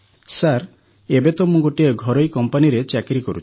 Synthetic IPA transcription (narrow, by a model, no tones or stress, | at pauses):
saɾ | ebet̪ɔmũɡoʈieɡʱɔɾɔjkɔmpaniɾet͡ʃakɾikɔɾṵt͡ʃʰi̥